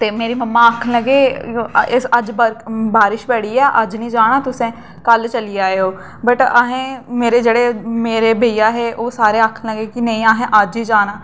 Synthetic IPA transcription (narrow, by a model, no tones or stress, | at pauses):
t̪eːmeːɾiːməmːãːəkʰləɡeːɪsəd͡ʒbbaːɾɪʃbɛːɽiːɛːʔəd͡ʒnĩːd͡ʒaːɽ̃aːt̪ʊsẽː | kəlt͡ʃəliːaːeoː | bəʈaːɦẽːmeːɾeːd͡ʒeːɽeːmeːɾeːbʱəijaːɦeːʔoːsaːɾeːakʰləɡeːkɪnə̃ĩːaːɦẽːʔəd͡ʒɦiːd͡ʒaːnaː